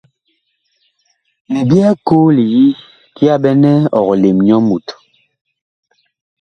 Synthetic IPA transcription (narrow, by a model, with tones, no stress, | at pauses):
mi˨bjɛ˦ko˦li˨ji˦ | ki˦a˦ɓɛ˦nɛ˦ɔ˨ɣɔ˨le˨mɲɔ˦mu˨t